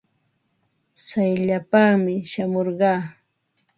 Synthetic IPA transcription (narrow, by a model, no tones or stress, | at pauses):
sajʎapɑχmɪʃamoɾɢɑː